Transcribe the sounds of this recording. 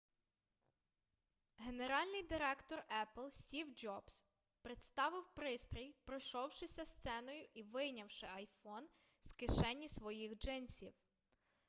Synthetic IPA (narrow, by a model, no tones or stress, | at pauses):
ɦe̞ne̞ɾɑlʲnɪjd̪ɪɾɛkt̪ɔrɛplˠsʲtʲiwd͡ʒɔbs | pɾet̪st̪ɑʋɪwpɾɪst̪ɾʲijpɾɔʃɔwʃɪsʲɐst̪sɛnɔjʊʔiʋɪjnʲɐwʃɪɐjfɔnskɪʃɛnʲːisʋɔjixd͡ʒɪnsʲiw